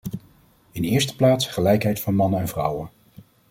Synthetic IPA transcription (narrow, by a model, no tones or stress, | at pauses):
ɪnɪːɹstə̥plaːtsχəlɛjkɦɛjtfɑnmɑnəɛnvrʌ̰wən